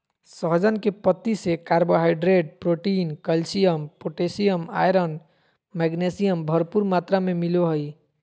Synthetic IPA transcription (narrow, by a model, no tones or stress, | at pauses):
səɦd͡ʒənkepət̪ːisekaɾboɦaɪɖɾeʈ̚pɾoʈinkəlsijəmpoʈesijəma̰jɾən | mɛɡnesijəmbʱəɾpuɾmat̪ɾamemiloɦəj